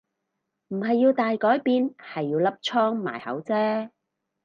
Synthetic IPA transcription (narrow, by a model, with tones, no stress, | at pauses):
m̩˨˩ɦɐ˨jːiː˧wt̪aː˨jkɔː˨˥jpiː˨nhɐ˨jːiː˧wlɐ˥p̚t͡ʃʰɔː˥ŋma̰ː˨˩jhɐ̰˨˥wt͡sɛː˥